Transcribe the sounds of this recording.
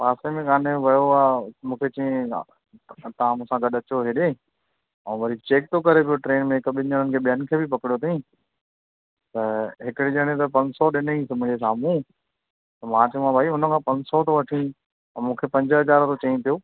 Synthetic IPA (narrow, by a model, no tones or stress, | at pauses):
paːsemẽkaːneʋɐjoaːmũːkʰet͡ɕiẽ | t̪ɐʋãmũːsãɡɐɗɐt͡ɕoɦeːɗẽː | ɛ̃ːʋɐɾit͡ɕeːk̚t̪okɐɾepijoʈɾeːnmẽɦɪkɓɪɲəɾənɪkʰeːɓijənɪ̆kʰeːbʱɪpɐkɪɽijot̪ʰɐĩ | t̪ɐɦɪkɪɽiʄɐɽ̃ẽt̪ɐpɐ̃ɲd͡ʑsɔɗɪnĩsɐmʱʊ̃ːd͡ʑesaːmũ | t̪ɐmãːt͡ɕɐ̃ãbʱaːiʊnə̆kʰãːpɐ̃ɲd͡ʑsɔt̪oʋɐʈʰĩ | mũːkʰepɐ̃ɲd͡ʑəɦɐzaːɾt̪ot͡ɕɐ̃ĩpijoː